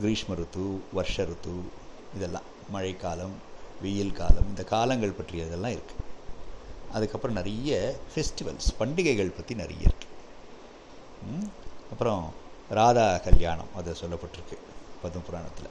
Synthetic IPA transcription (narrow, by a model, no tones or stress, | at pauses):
ɡɾiːʂmɐɾut̪ːuʋɐɾʂɐɾut̪ːu | id̪ɛlːã̰ːɐɻɐɪkaːlɐm | ʋijilka̰ːlɐmind̪ɐkaːlɐŋɡɐɭpɐʈːrɾijɐid̪ɛlːãːiɾɯkːɯ̥ | ɐd̪ɐkːɐpːɐɾɐmnɐɾijɐpʰesʈiʋɐ̰lspɐɳɖiɣɐɡɐɭpɐt̪ːinɐɾḭjɐ̰ɾɯkːe̥ | ɐpːɐɾɐ̃ɾaːd̪aːkɐljaːɳɐ̰mɐd̪ɐsɔlːɐpːɐʈːiɾɯkːe̥ | pɐd̪ɐmpuɾaːɳɐt̪ːilːɐ